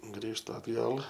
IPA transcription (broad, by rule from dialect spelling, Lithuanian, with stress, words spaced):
ˈɡrʲiːʃtʊ ɐdˈɡɐlˠ